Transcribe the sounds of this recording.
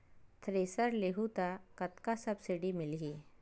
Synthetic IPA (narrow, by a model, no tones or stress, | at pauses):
t̪ʰɾesəɾleɦut̪akət̪kasəbsiɖimɪlɡiː